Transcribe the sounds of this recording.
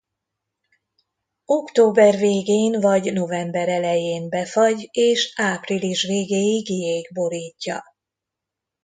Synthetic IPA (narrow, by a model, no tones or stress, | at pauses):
o̞kt̪oːbɛrveːɡeːnvɒɟno̞vɛmbɛɾɛlɛjeːnbɛfɒɟeːʃaːpriliʃveːɡeːjiɡijeːɡbo̞ɾiːcːɒ̰